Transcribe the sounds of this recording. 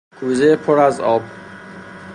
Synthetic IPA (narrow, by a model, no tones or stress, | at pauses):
kʰuːzepʰoɾæzɒːb